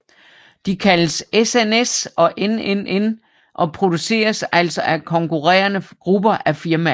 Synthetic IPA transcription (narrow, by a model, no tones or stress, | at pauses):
d̥ikʰæləsesenesɒ̽ʔenenen | ʔɒ̽pʰʁo̝d̥use̝̰ːɐsæl̰sɒ̽ʔækʰɒ̽ŋkʰuʁɛ̰ːɐnəɡ̥ʁub̥ɐʔæfiɐmæ